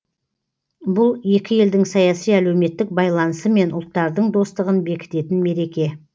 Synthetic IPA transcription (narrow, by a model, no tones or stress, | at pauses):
bʊlˠje̞kʲɪje̞ld̪ɪŋsɑjɑsijælewme̞t̪ːɪk̚bɑjlˠɑnəsəme̞nʊlˠt̪ːɑɾd̪əɴd̪o̞st̪əʁənbe̞kʲɪ̥t̪e̞t̪ɪnme̞ɾe̞kʲe̞